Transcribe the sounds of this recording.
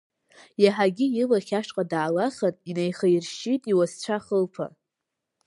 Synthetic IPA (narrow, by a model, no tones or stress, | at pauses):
jaħaɡʲɪjɪlaχʲaʂqʼadaːlaχatʼinejχajrʃitʼiwast͡ɕʷʰaχəlpʰa̰